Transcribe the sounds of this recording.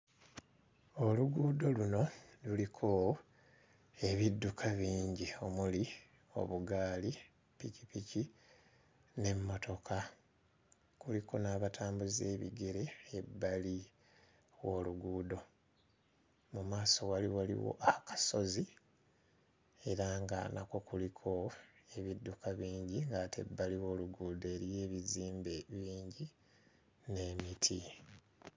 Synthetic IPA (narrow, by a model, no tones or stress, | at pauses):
oluɡuːdo̞luno̞lulikʰo | e̞βidːukʰaβiːɲɟio̞muli | o̞̰βuɡaːli | picipici | ne̞mːoto̞kʰa | kulikonaβatʰaːmbuze̞ːβḭɡe̞ɾe̞ebːali | wo̞luɡuːdo̞ | mumaːso̞waliwalḭwo̞̰ʔakḁso̞zi | e̞ɾaŋɡa̰na̰ko̞kulikʰo̞e̞βidːukʰaβiːɲɟiŋɡatʰe̞̰bːaliwo̞ːluɡuːdoeɾije̞ːβiziːmbeβiːɲɟi | ne̞mitʰi